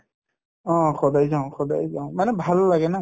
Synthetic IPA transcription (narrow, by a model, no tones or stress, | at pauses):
ɔ̃xɔdajzaʊ̃xɔdajzaʊ̃manɛbʱalːaɡɛna